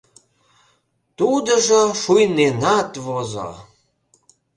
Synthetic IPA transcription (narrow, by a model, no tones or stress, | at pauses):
t̪ud̪ə̆ʒəʃujnenɑt̪vozɑ̰